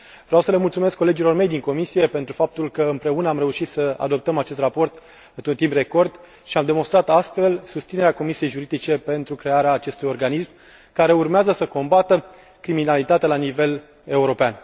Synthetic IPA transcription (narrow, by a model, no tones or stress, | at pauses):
vɾeawsəle̞mult̪sume̞skːo̞le̞d͡ʒilo̞rme̞jd̪iŋko̞misije̞pent̪ɾufap̚t̪ulkəɨmpɾe̞unəamɾe̞uʃit̪səa̰d̪o̞p̚t̪əmat͡ʃe̞st̪rapo̞rt̪ | ɨt̪unt̪impre̞ko̞rd̪ | ʃiamd̪e̞monst̪ɾat̪ast̪fe̞lsust̪sine̞ɾeako̞misije̞jʒuɾid̪it͡ʃe̞pe̞nt̪ɾukɾe̞aɾeaːt͡ʃe̞st̪ujo̞rɡanism | kaɾe̞urmeazəsəko̞mbat̪ə | kɾiminalit̪at̪ealanive̞l | e̞uɾo̞pean